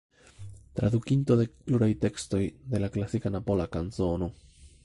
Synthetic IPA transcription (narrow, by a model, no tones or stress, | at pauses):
t̪ɾa̰d̪ukinto̞de̞pluɾajte̞ksto̞jde̞laklasikanapo̞lakanzo̞no̞